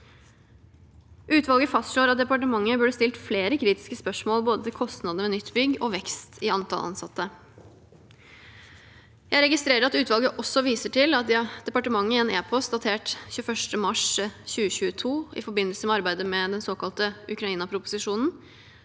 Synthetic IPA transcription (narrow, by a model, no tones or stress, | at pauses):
ʔʉːt̪ʋɑlˠɡəfɑst̪ʂɭoːɾɑt̪̚d̪ɛpɑʈ̬əmɑŋːəbʉɖəst̪ɪlt̪fleːɾəkʰɾiːt̪ɪ̥skəspœʂmoːlboːd̪ət̪ʰɪlkʰɔst̪nɑd̪əmɛnʏt̪ːbʏɡːɔʋɛkst̪ʰɪɑnt̪ʰɑ̰lʔɑ̰nsɑt̪ːə | jæɪɾɛɡɪst̪ɾeːɾəɾɑt̪ʉːt̪ʋɑlˠɡəʔɔsːɔʋiːsəʈʰɪlɑt̪̚d̪ɛd̪̥ɛpɑʈəmɑŋːɪeːneːpʰɔst̪̚d̪ɑt̪ʰeːʈçʉːəfœʂʈəmɑʂçʉːəɕʉːət̪ʰuːɪ̰fɔbɪnəlsəmɛɑɾbæɪd̪əmɛd̪ɛnsoːkɑlt̪əʉkɾɑiːnɑpʰɾʊpʊ̥sɪʂuːnn̩